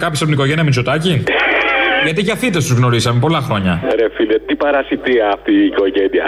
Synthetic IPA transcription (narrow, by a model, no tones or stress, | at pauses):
kɐpçisɐp̪oniko̞ʝe̞nijɐmint͡ʃo̞t̪ɐci | ʝɐt̪iʝɐθit̪est̪uzɣno̞ɾisɐmepo̞lɐxɾo̞ɲɐɾefilɐt̪ipɐɾɐsit̪iɐft̪iːko̞ʝeniɐ̰